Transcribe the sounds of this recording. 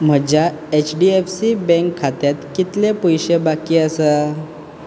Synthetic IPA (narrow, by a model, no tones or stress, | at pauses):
m̤əd͡ʑja | et͡ɕɖiefsibɛ̃ŋkʰːat̪jat̪kit̪lepujɕebakiːəsə